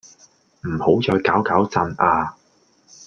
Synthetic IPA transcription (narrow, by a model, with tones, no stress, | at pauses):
m̩˨˩ho˨˥wt͡sɔː˧jkaː˨˥wkaː˨˥wt͡sɐ˧nʔaː˧